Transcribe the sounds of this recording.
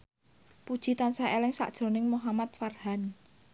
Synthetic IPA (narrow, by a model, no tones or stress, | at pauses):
pud̥ʒ̥i̤t̪ansaelɪŋsa̰ʔd̥ʒ̥ɾo̤nɪŋmuɦamat̪̚farhan